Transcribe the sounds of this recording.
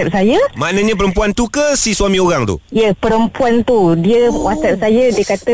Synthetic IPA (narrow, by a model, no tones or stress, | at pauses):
ɛp̚sajamaʔnãɲãp̬əɾəmpuant̪ukəsisuamĩoɾaŋt̪ṵjəpəɾəmpuant̪udiəwasɛp̚sajadiəkat̪ə